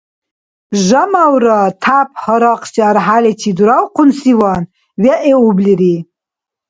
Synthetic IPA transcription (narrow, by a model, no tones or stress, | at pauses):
ʒamawɾɔt̪ʰap̚ʰhɔɾɑqsiaɾɦalɛt͡ʃʰid̪uɾawqunsiwɑn | wɛʔɛubliɾi